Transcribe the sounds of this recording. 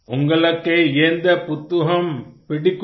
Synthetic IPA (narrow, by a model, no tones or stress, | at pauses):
ʔʊŋɡɐɭɐkːɐɪɛnd̪ɐpʊt̪ːʊɣɐmpɪɽɪkː